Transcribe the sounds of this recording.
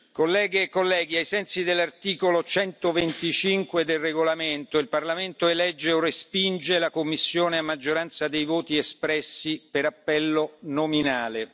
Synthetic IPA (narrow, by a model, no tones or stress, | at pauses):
kolːɛːɡekːolːɛːɡiajsɛnsid̪elːart̪iːkolot͡ʃɛnt̪ovent̪it͡ʃiŋkwed̪elreɡolament̪oilparlament̪oelɛd͡ʒːeorespind͡ʒelakomːisːjoːneamːad͡ʒːoɾant̪sad̪ejvoːt̪iespɾɛsːipeɾapːɛlːonominaːle